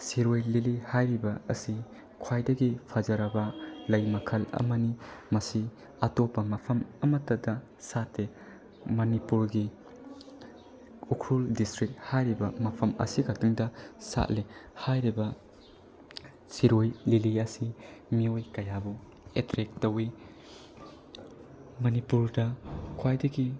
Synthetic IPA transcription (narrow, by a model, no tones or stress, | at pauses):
siɾojlilihajɾibɐːsi | kʰwajdɐɡipʰad͡ʒɐɾɐbɐlɐjmɐkʰɐlɐ̰mɐnimɐsi | ɐtopːɐmɐpʰɐmɐmɐtːɐdɐ | satːe | mɐnipuɾɡi | ukʰɾuldistɾik̚hajɾibɐmɐpʰɐmɐ̰sikʰɐk̚tiŋdɐsa̰t̚lehajɾibɐ | siɾojliliɐsimiojkɐjabu | etɾek̚tɐwi | mɐnipuɾdɐkʰwajdɐɡi